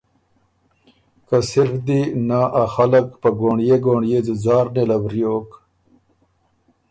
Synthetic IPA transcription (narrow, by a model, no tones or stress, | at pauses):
kɐsiɾfd̪inaʔaxɐlɐkpɐɡoːɳjeɡoːɳjed͡ʑuzaːɾnelɐbɾijoːk